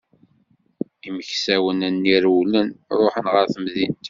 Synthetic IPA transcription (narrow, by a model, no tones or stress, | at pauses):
iməçsæwənænːiɾwlənɾˤoħənʁəɾθəmðint̪